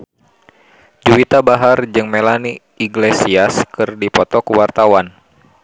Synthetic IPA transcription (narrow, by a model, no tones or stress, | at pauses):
d͡ʒuwit̪abaɦard͡ʒɨŋmelani | iɡlesiaskɨrdipɔt̪ɔkuwart̪awan